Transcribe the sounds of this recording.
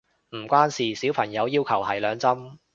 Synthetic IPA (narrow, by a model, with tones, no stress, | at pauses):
m̩ː˨˩kʷaː˥nsiː˨siː˨˥wpʰɐ˨˩ŋjɐ˨˧wjiː˥wkʰɐ˨˩whɐ˨˩jlœː˨˧ŋt͡sɐ˥m